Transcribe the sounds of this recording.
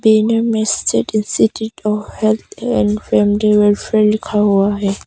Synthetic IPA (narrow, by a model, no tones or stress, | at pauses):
binɛmɛstʰɛdinsitʰiɔfhɛlt̪ɛndfɛmdiwɛlfɛlikʰawaɛ